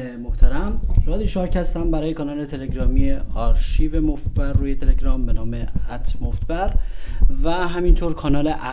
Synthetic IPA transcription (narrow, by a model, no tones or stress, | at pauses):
emoht̪ʰæɾæmɾɒːd̪iːʃɒːɾcʰæst̪æmbæɾɒːjekʰɒːnɒːlet̪ʰe̞leɟɾɒːmiːeɒɾʃivemoft̪̚bærːuːjet̪ʰe̞leɟɾɒːmbe̞nɒːmeæt̪ʰmoft̪bæɾvæɦæmint̪ʰoːɾkʰɒːnɒːleʔæ